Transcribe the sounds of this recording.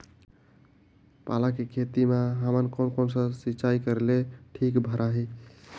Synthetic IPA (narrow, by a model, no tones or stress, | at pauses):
palakekʰet̪imeɦəmənkɔnkonsə̃siːt͡ʃaikəɾleʈʰikbʱəɾaɦi